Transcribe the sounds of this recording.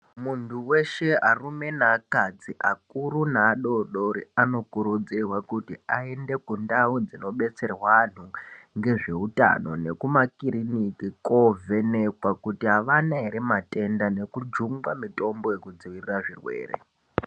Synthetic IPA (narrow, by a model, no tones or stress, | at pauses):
muntʰuwe̞ʃe̞arume̞naːkad͡ziʔak̚uɾunaːɗo̞ɗoɾiano̞kuɾud͡zirwakutiae̞nde̞kundaud͡zino̞ɓe̞t͡se̞rwan̤uŋɡe̞ʐe̞uta̰no̞ne̞kumakiɾinikiko̞vʱe̞nekwakutiɦaʋanaɦeɾematʼe̞ndane̞kud͡ʒuŋɡwamito̞mbo̞je̞kud͡ziʋiriraʐirwe̞̰ːrḛ